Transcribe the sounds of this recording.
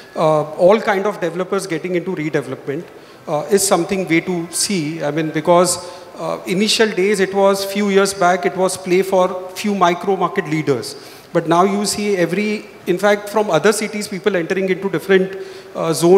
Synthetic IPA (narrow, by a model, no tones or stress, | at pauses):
ɔːlkãɪɳɖɔfɖɛʋɛləpəɾzɡɛʈɪ̃ŋɡɪ̃ɳʈuɾiːɖɛʋɛləpmɛ̃ɳʈ | ɪzsʌ̃mt̪ʰɪ̃ŋɡʋeːʈusiːaɪmĩːnbɪkɔːz | ɪniʃəlɖeːzɪʈʋɔːzfjuːjiəɾzbækɪʈʋɔːzpleːfɔːɾfjuːmaɪkɾoːmaːɾkeʈliːɖəɾz̥ | bɐʈnaʊjuːsiːɛʋɾi | ɪ̃nfæk̚ʈfɾɔ̃mʌd̪əɾsɪʈizpiːpəlɛ̃ɳʈəɾɪ̃ŋɡɪ̃ɳʈuɖɪfɾə̃ɳʈzõː